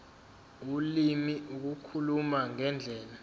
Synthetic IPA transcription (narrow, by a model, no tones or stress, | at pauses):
ulimiuk̬ukʰulumaŋɛnd͡ɮʱɛːla